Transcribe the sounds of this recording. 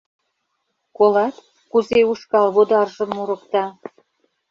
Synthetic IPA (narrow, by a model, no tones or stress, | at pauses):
kolɑt̪ | kuzeuʃkɑlβod̪ɑrʒə̆mːuɾə̆kt̪ɑ